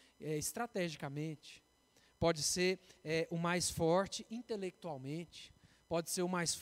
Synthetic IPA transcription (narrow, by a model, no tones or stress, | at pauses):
ɛɪst̪ɾat̪ɛʒikɐmẽt͡ʃɪ̥ | pɔd͡ʒɪseɾɛʔʊmajsfɔɾt͡ʃɪʔĩnt̪elek̚t̪uawmẽt͡ʃɪ̥ | pɔd͡ʒɪseɾʊmajsf